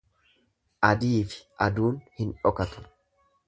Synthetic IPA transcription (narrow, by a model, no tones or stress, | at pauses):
ʔɐd̪iːfɪ̥ʔɐd̪uːnhɪnᶑɔkɐt̪ʊ̥